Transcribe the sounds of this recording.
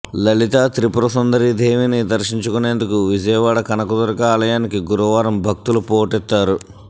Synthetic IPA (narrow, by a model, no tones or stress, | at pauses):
lɐɭit̪aːt̪ɾipuɾɐsɐnd̪ɐɾid̪ʱeːʋinid̪ɐɾʂiɲt͡ʃukune̞ːnd̪ukuʋid͡ʒɐjɐʋaːɽɐkɐnɐkud̪ɐɾɐkɐaːlɐjaːnikiɡuɾuʋaːɾɐmbʱɐk̚t̪ulupoːʈɛt̪ːaːɾu